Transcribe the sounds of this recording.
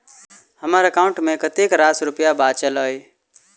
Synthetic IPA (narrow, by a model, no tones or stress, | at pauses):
həmaɾəkaʊ̃ɳʈmẽkət̪ekɾasɾʊpijabat͡ʃəlɦəj